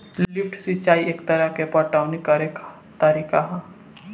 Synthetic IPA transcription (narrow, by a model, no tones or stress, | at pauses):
llɪpʈsɪt͡ʃaːieːkt̪əɾəkepəʈaːʋnekaɾeːk | t̪əɾiːkaɦɛ